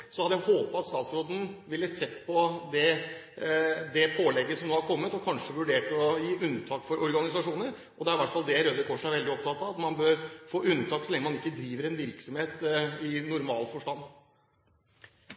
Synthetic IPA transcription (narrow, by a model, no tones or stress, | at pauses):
sɔhɑd̪əæhoːpɔɑt̪st̪ɑːt̪sɾoːd̪n̩ʋɪlːəsɛt̪ːpʰɔd̪ɛ | d̪ɛpʰoːlɛɡːəsɔmnoːɑɾkʰɔmːət̪ɔkʰɑnʂəʋʉɖeːʈɔjiːʔʉnːt̪ʰɑːkfɔɾʔɔɾɡɑnɪsɑʂuːnəɾ | ʔɔd̪ɛæɾʋæʈfɑld̪ɛɾød̪əkʰɔʂəæɾʋɛld̪ɪɔp̚t̪ʰɑt̪ːɑʋɑt̪mɑnbøːɾfoːʔʉnt̪ʰɑːksɔlɛŋːəmɑnɪkːəd̪ɾiːʋəɾɛnʋɪɾksɔmheːt̪ɪnʊɾmɑ̰ːlfɔʂʈɑnː